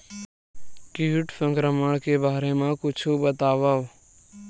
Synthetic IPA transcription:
kiːʈfə̃ŋɡɾəməɳkeːbaːɾeːmãːkʊt͡ʃʰuːbət̪aːʋaː

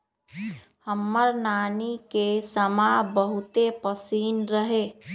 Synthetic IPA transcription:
həmːəɾnaːnikesəmabəɦʊt̪epəsiːnɾəɦeː

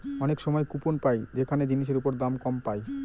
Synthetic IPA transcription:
ɔnekʃɔmɔjkuponpajd͡ʑekʰaned͡ʑiniʃ̬eɾupoɾd̪amkɔmpaj

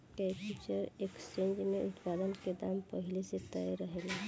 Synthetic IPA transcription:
kɛput͡ʃəɾekst͡ʃẽːɲd͡ʒmẽʔʊt̪paːd̪ənked̪aːmpəɦɪleset̪əjɾəɦelaː

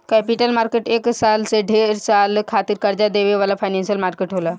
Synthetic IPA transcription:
kɛpiʈəlmaɾkeʈeksalseɖʱeɾsalkʰat̪iːɾkəɾd͡ʑad̪eʋeʋalafajnɛnɕiəlmaɾkeʈɦola

